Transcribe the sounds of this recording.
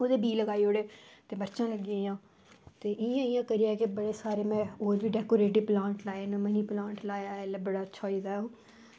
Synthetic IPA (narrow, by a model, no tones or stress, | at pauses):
oːd̪eːbiːləɡaːioːɽeːt̪eːbəɾt͡ʃãːləɡɪãːjãː | t̪eːʔɪjãːɪjãːkəɾɪjaːɛkɪbəɽeːsaːɾeːmɛ̃ːoːɾʋiːɖɛːkoːɾeːʈiːplãːɳʈlaːenãːməniːplãːɳʈlaːjaːlbəɽaːətːʃʰaːiːd̪aːoː